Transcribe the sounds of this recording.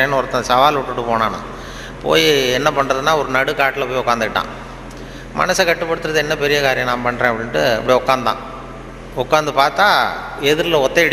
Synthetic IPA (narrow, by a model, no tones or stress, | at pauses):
eːnːɯɔɾɐt̪ːɐ̃sɐʋaːlʊʈːɯʈːɯpoːnaːna̰ | po̰ːjiɛnːɐpɐɳːɾɐðɯnːaːɔɾɯnɐɽɯkaːʈːɪlɐpoːjɔkːaːnd̪ɯkɪʈːã̰ː | mɐ̰nɐsɐkɐʈːɯpːɐɽɯt̪ːɯɾɐðɯɛnːɐpɛɾɪjɐkaːɾɪjɐ̃nãːmpɐɳːɾẽːɐpːɐɽɪnɐʈːɯɐ̰pːɐɽiɔkːaːnã̰ː | ɔkːaːnd̪ɯpaːɾt̪aː | ɛðɪɾlɐɔt̪ːeɐɽ